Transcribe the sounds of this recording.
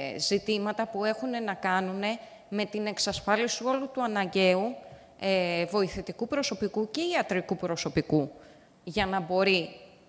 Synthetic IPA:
zit̪imɐt̪ɐpue̞xune̞nɐkɐnune̞ | me̞t̪ine̞ksɐsfɐlisio̞lut̪uɐnɐɲɟe̞u | evo̞iθet̪ikupɾo̞so̞pikuce̞iɐt̪ɾikupɾo̞so̞piku | ʝɐnɐbo̞ɾi

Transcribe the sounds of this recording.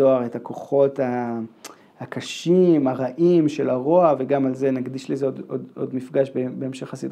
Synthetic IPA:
oaʁetako̞χo̞ta | hakaʃimaʁaʔimʃe̞laʁo̞aveɡamalze̞naɡdiʃlizeododo̰dmifɡaʃbebe̞ːmʃe̞χasid

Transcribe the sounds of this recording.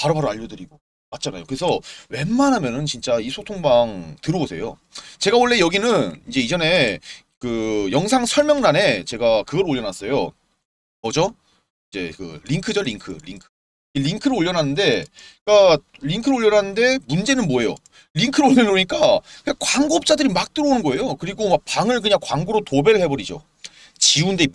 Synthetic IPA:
paɾɯbaɾoaʎːʌdɯɾiɡo | mat̚t͡ɕ͈ʰanajokɯɾe̞sʰʌwe̞mːanɦamjʌnɯnt͡ɕint͡ɕ͈aisʰotʰoŋbaŋtɯɾɯosʰe̞jo̰ | t͡ɕe̞ɡaoɭːe̞jʌɡinɯnind͡ʑe̞id͡ʑʌne̞ | kɯjʌŋs̬ʰaŋsʰʌɭmjʌŋnane̞t͡ɕe̞ɡakɯɡʌɾoʎːʌnas͈ʌjo | mʌd͡ʑo | id͡ʑe̞̰kɯ̰liŋkʰɯd͡ʑʌʎiŋkʰɯ̰liŋkʰɯ̥ | iʎiŋkʰɯɾɯoʎːʌnɦanːɯnde̞kaʎiŋkʰɯɾoʎːjʌnɦanːɯnde̞mund͡ʑe̞nɯnmwoe̞jo̰ | ʎiŋkʰɯɾoʎːʌnoɲik͈akɯɲaŋkwaŋɡoʌp̚t͡ɕ͈adɯɾimak̚t͈ɯɾoonɯnɡʌe̞jokɯɾiɡomak̚paŋɯɭk̬ɯɲaŋkwaŋɡuɾotobe̞ɾɯɭhɦe̞bʌɾid͡ʑo̰ | t͡ɕiunde

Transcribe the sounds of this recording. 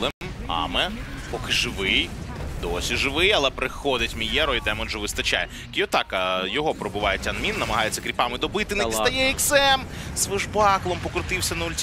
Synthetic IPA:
lˠɛmɑ̰mɛpɔkɪʒɪʋɪjd̪ɔsʲiʒɪʋɪjɐlˠɛpɾɪxɔd̪ɪtʲmʲijɛɾɔjd̪ɛmɔnʒʊʋɪst̪ɐt͡ʃa̰jɛ | kʲijɔt̪ɑkɐjɔɦɔpɾɔbʊʋɑjetʲɐnmʲinːɐmɐɦɑjet͡sʲːɐkɾʲipɑmɪd̪ɔbɪt̪ɪnɐisɐjɛiksɛmz̥ʋɪʒbɑklˠɔmpɔkɾʊt̪ɪwsʲɐnɐulʲtʲ

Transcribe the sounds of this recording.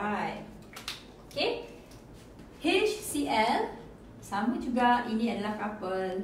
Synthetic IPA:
aj | oke | het͡ʃsiʔɛl | samud͡ʒuɡaʔinĩadəlakapəl

